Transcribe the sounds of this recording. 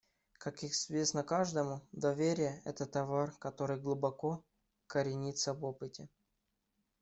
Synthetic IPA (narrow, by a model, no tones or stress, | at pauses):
kakɪzvʲe̞snəkaʐd̪əmʊd̪ɐvʲeɾʲɪjəɛ̰t̪ət̪ɐvarkɐt̪o̞ɾɨjɡlˠʊbɐko̞ | kəɾʲɪnʲit̪səvopɨtʲɪ